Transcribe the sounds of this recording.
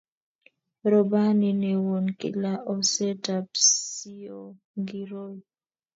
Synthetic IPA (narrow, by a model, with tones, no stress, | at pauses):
ɾɔ˨ba˦ni˨ne˨wo˨nkɪ̰˦la˦ʔɔ˦sɛ˦tapsi˦o | ɡi˨ɾo˦